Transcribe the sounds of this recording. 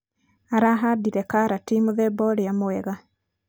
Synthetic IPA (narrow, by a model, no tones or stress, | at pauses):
aɾaɦadiɾɛkaɾatiːmuðɛbɔɾejamoɛɣa